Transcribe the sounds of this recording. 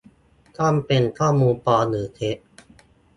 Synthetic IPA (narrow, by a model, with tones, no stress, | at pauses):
k̪ʰɔ˥˩mpe˧nkʰɔː˥˩muː˧npɔː˧nɯː˩˦t̪ʰe˦˥ʔ